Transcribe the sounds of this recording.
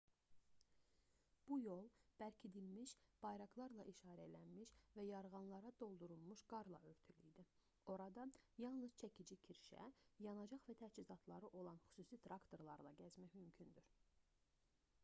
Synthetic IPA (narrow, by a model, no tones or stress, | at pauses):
b̥ujo̞lˠb̥ælcʰid̪ilmiʃb̥ɑjɾɑklˠɑɾlˠɑʔiʃɑːɾæelænmiʃvæjɑɾʁɑnlˠɑɾɑd̪o̞lˠd̪uɾulˠmuʃɡɑɾlˠɑ̰ø̞ɾt̪ʰylijd̪i | o̞ɾɑd̪ɑjɑlˠnɯz̥t͡ʃʰæcʰid͡ʒicʰiɾʃæ̰jɑnɑd͡ʒɑχvæt̪ʰæt͡ʃizɑt̪ʰlˠɑɾɯʔo̞lˠɑnχy̥suːsit̪ʰɾɑkt̪ʰo̞ɾlˠɑɾlˠɑɟæzmæçmymcʰynd̪yɾ